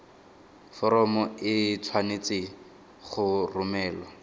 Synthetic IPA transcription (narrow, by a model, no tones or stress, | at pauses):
fɔɾɔmɔɪt͡sʰwanet͡sɪ | χʊrʊmɛːlɔ